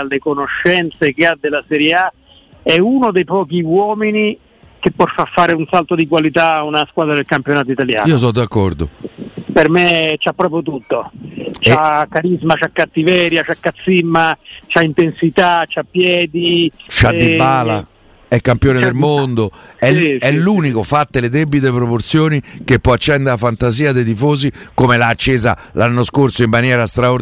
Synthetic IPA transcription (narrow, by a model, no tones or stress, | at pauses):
alːekonoʃːɛnt̪sek̟ead̪elasɛɾjea | ɛunod̪ejpɔːk̟iwɔːmini | k̟epːɔrfafːaːɾeunsalt̪od̪ikwalit̪aunaskwaːd̪ɾad̪elkampjonaːt̪oit̪alja̰ːniːos̬ɔd̪akːɔɾd̪o̰permet͡ʃapːɾɔːp̬ɾjot̪̬ut̪ːot͡ʃakːaɾizmat͡ʃakːat̪ːivɛːɾjat͡ʃakːat̪sːimːat͡ʃaint̪ensit̪at͡ʃapːjɛːd̪it͡ʃad̪ibaːla | ɛkːampjoːned̪elmond̪oɛɛlːuːnikofat̪ːeled̪ebːit̪epɾoport̪sjoːnik̟epːɔat͡ʃːɛnd̪eafant̪aziːad̪ejd̪ifoːzikomelaːt͡ʃːeːza̰ | lanːoskorsoimːanjɛːɾast̪ɾao